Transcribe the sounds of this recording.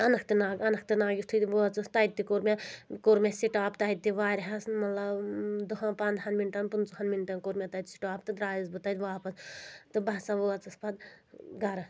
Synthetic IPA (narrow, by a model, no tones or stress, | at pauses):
ɐnɐkʰt̪inaːɡɐnɐkʰt̪inaːɡʲist̪ʰut̪ʋoɐt͡sɐst̪ɐit̪̚t̪ːikoɾmʲakoɾmʲasiʈaːpt̪ɐit̪̚t̪ːiʋaːɾʲɦɐsnmɐt̪lɐbd̪uɦãpaːnd̪ɦɐnminʈɐnpunt͡suɦɐnminʈɐnkoɾmʲat̪ɐt̪ʲsi̥ʈaːpt̪ɨd̪ɾaːjizbɨt̪ɐt̪ʲʋaːpɐst̪ɨbɐsaʋoɐt͡sɐspɐd̪ɡɐɾɐ